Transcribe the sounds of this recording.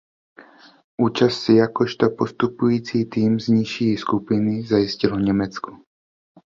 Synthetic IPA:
ʔuːt͡ʃassijakɔʃt̪ɔpost̪upujiːt͡siːt̪iːmzɲiʃiːskupɪnizajiscilvɲɛmɛt͡sku̥

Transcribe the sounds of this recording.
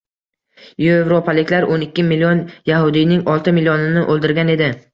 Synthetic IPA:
joevɾopʰalɪkʲlaɾʔonɪkʲːɪmilʲːijonjahʊd̪ijnɪŋɒlˠt̪ʰɪmilijɒnɪnɪʔolˠd̪ɪɾɡʲane̞d̪ɪ

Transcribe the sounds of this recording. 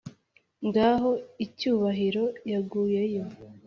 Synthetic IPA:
ŋɡaːɦo̞icuːβaɦiɾo̞jaɡuːje̞jo̞

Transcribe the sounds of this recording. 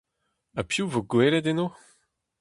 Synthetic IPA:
apjuvoɡweːleteno

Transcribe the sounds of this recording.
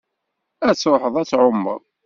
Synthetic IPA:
æt͡sːɾoħəðˤæt͡sːʕomːə̰ɾˤ

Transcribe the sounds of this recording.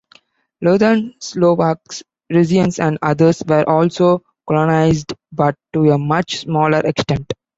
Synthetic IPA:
loːd̪əɾnsloːʋaks | ɾɪziə̃nsæ̃ɳɖʌd̪əɾsʋəɾʔɔːlsoː | kɔlɔnaɪzɖbʌʈːuemʌt͡ʃsmɔːləɾʔeksʈẽɳʈ

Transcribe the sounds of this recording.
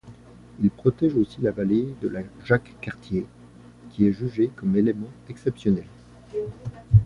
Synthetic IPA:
ilpχɔt̪ɛʒosilavaled̪əlaʒakːaʁt̪je | kʲiɛʒyʒekɔmelemɑ̃ɛksɛpsjɔnɛl

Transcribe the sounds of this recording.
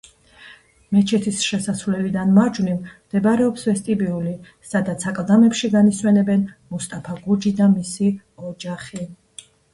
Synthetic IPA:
mɛt͡ʃʰɛt̪ʰisʃɛsasvlɛlid̪anmad͡ʒwvnimd̪̥ɛbaɾɛɔpsvɛst̪ʼibiuli | sad̪at̪sʰakʼlˠd̪amɛpʃiɡaniswɛnɛbɛnmust̪ʼapʰaɡud͡ʒid̪amisi | ɔd͡ʒaχi

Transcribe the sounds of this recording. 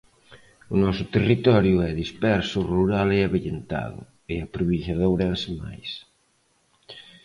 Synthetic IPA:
unɔsʊt̪erit̪ɔɾjuɛðispɛɾsuruɾaleaβʎent̪a̰ðʊ̰ | eapɾuβiʃaðowɾansema̰js

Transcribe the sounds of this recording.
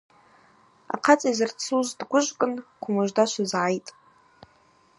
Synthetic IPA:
a̰qʰat͡sʼizɨrt͡sʰuzdɡʷʊʒʷkʼɨnqʷʰʊmɨʒʷdaʃʷazʕajtʼ

